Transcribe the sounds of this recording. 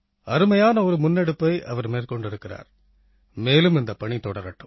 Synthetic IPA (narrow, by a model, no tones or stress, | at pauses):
ɐɾɯmɐjaːnɐɔɾɯmʊnːɛɽɯpːɐɪʔɐ̰ʋɐɾmeːrkɔɳɖɪɾɯkːɪra̰ːɾ | meːlɯmɪnd̪ɐpːɐɳit̪ɔɽɐɾɐʈːɯm